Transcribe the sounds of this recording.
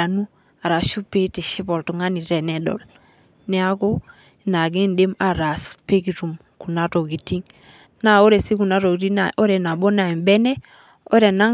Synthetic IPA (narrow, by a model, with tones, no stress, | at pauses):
a˨nu˦ | a˨ɾa˨ʃu˦pe˦ti˨ʃi˦bo˨ltu˨ŋa˦ni˨ɾe˨nɛ˦do̰˨l | nɛ˦a˦ko˦ | i˨na˨ɡi˦nde˦ma˨ɾa˨spe˦ki˨tu˨m | ku˨na˦to˨ɡi˨ti˦ŋ | na˦o˦ɾe˨si˦ku˨na˦ɾo˨ɡti˦na˨o˦ɾe˨na˨bo˦na˨i˨mbɛ˦ne˦ | o˦ɾe˨na˦